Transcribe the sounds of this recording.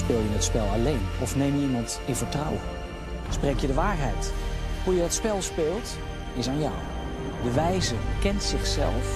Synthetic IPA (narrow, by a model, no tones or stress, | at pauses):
spɪːlˠjənətspɛlˠalejnɔfneːmimɑnt | ɪnvəɹtrɔwə | sprekjədəʋaːɹɦɛjthujədɔtspɛlˠspɪːlˠt | ɪsaːnjaː | dəʋɛjzəkɛntsɪxsɛ̰lˠf